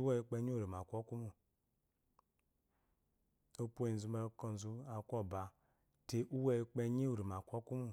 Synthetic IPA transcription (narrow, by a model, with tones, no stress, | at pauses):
a˦i˧k͡pe˧˦ɲi˦u˦˨ɾi˨m˨a˨kʷo˦ku˦mu˨ | o˦pʷo˦i˨zu˨˧ma˧˦ko˧n˨zu˦a˨kʷo˦˨ba˨ | te˨˦ʔu˦we˦˧k͡pe˧ɲi˦u˨ɾi˨m˨a˨kʷo˦ku˦mu˦